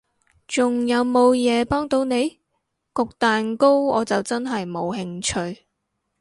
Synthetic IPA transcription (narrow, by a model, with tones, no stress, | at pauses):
t͡sʊ˨ŋjɐ˨˧wmo˨˧wjɛː˨˧pɔː˥ŋt̪o˨˧wne˨˧j | kʊ˨k̚t̪aː˨nko˥wɔ̰ː˨˧t͡sɐ˨wt͡sɐ˥nɦɐ˨jmo˨˧wɦɪ˧ŋt͡ʃʰɵ˧ɥ